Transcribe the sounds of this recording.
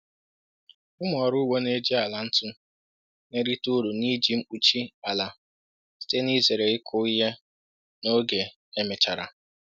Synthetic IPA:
ʊ˦m˦ɔ˨ɾʊ˦wo˦ne˦d͡ʒi˦a˨la˨n̩˦tʊ˦ | ne˦ɾi˦tu˦ɾu˨ni˦d͡ʒi˨m̩˦k͡pu˨t͡ʃi˦a˨la˨ | si̥˦te˦ni˦ze˨ɾe˨ɪ˦kʰʊ˦i˦ɦe˦ | no˦ɡe˨ | e˦me˨t͡ʃa˨ɾa̰˨

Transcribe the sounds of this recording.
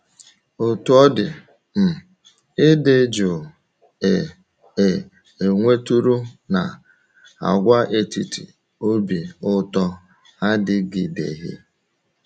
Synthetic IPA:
o˨tu˦ɔ˦dɪ˨ | m̩˨ | ɪ˦de˦d͡ʒo˨ | e˨ | e˨ | e˨ŋʷe˦tu˦ɾu˦na̰˨ | a̰˨ɡʷa˦ʔe˨ti˦tḭ˨ | o˦bi˨ʊ˦tɔ˦ | a˦dɪ˦ɡɪ˨dḛ˨ɦḭ˦

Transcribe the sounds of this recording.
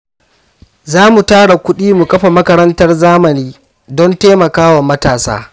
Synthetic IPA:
zaː˦mu˨taː˦ɽa˨kʷʊ˦ɗiː˦mu˨kʼɐ˦ɸa˨mɐ˦kɐ˦ɾɐ˦ntɐ˦rzaː˦mɐ˨niː˦ | dɔ˦nteː˦mɐ˨kaː˦wɐ˨mːɐ˦taː˨sa̰ː˦

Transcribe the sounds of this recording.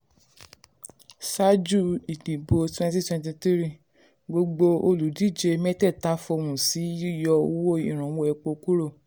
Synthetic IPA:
sa˦d͡ʒu˦˨i˨dĩ˨bo˧twɛ̃˧nti˦twɛ̃˧nt̬i˧t̪i˦ɾi˦˨ | ɡ͡bo˧ɡ͡bo˧o˧lu˨˦di˦˨d͡ʒe˧mɛ˦tɛ˦˨ta˨˦fo˧wũ˨si˨˦ju˦˨jɔ˧o˧˦wo˦˨i˨ɾ̃ã˨wo˦ɛ˧˨k͡po˧ku˦ɾo˦˨

